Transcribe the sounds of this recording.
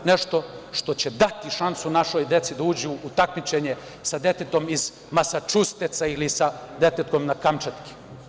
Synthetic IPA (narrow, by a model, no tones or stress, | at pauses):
neʃt̪o̞ʃt̪o̞t͡ɕed̪at̪iʃansunaʃojd̪e̞t̪sid̪auːd͡ʑuːt̪akmit͡ʃeɲe | sad̪e̞t̪et̪o̞miz | masat͡ʃust̪et̪sailisad̪et̪et̪̚ko̞mnakamt͡ʃat̪ki̥